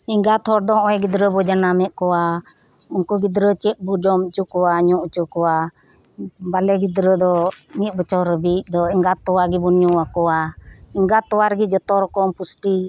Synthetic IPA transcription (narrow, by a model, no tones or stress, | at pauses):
iŋɡat̪ʰɔɾd̪ɔɦɔ̃ɔ̃ɛɡid̪ɾəbɔd͡ʒanamɛʔ̪̚kɔwa | ɔŋkɔɡid̪ɾət͡ʃɛt̪̚ˀbud͡ʒɔmt͡ʃukɔwaɲɔ̃ʔut͡ʃukɔwa | balɛɡid̪ɾəd̪ɔ | mit̪̚bɔt͡ʃɔɾəbit̪̚ˀd̪ɔiŋɡat̪ːɔwaɡibɔnuakɔwaiŋɡat̪ːɔwaɾɡid͡ʒɔt̪ɔɾɔkɔmpusʈi